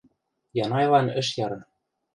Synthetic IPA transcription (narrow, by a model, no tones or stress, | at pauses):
jɑnɑjlɑnɘ̆ʃjɑɾɤ̆n